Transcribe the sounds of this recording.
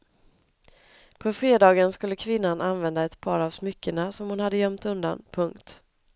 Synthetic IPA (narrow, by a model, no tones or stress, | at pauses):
pʰɔfɾeːd̪ɑːɡənskɵlːəkʰvɪnːanʔanvɛnd̪aɛt̪pʰɑːɾavsmʏkːəɳasɔmhʊnhad̪ːəjœmt̪ɵnd̪a̰npʰɵŋkt̪